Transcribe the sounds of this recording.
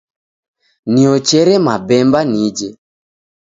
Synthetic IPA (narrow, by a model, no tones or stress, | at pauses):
niɔt͡ʃɛɾɛmabɛmbanid͡ʒɛ